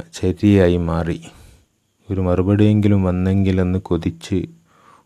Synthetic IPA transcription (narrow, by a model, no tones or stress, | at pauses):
t͡ɕɐɾijaːjimaːri | oɾumɐrubɐɽije̞ŋɡilumʋɐnːe̞ŋɡilenːɨkoðit͡ɕːɨ